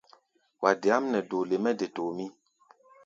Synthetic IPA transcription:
wa˨de˨a˦mnɛ˨do˨le˨mɛ˦de˨toː˨mi˦

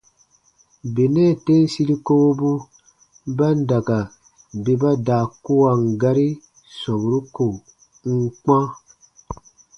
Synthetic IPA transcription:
be˨nɛː˦˨te˦n˦si˦ɾi˦ko˦o˦bu˦ | ba˦n̩˦da˨ka˨ | be˦ba˦daː˨ku˦wa˨ŋ˨ɡa˦ɾi˦ | sɔ̃˨bu˨ɾu˦ko˨ | ŋ̩˦k͡pã˦

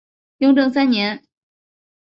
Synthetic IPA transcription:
jʊ˥˧˥ŋʈ͡ʂɤ˥˧ŋsa˥nɲɛ˧˥n

